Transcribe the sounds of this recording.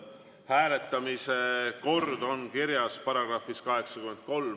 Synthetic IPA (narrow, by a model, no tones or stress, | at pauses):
hæːle̞t̪ːˑɑmiseko̞rd̪o̞nkiɾjɑspɑɾɑɡ̥rɑfiskɑɦe̞ksɑkymːe̞nd̪̥̚ko̞lm